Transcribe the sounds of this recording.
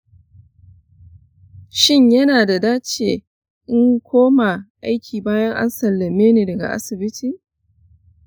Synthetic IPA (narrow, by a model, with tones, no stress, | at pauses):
ʃɪ˦˨ɲjɐ˦naː˨da˨daː˦t͡ʃeː˨ | ʔɪ˦ŋkʷʰoː˦ma˨ʔa˦jkʲʰiː˨baː˦jɐ˦ŋʔa̰˦nsɐ˨lːɐ˨meː˦neː˨dɐ˨ɡa̰˨ʔa̰˦sɪ˨bɪ˦tiː˨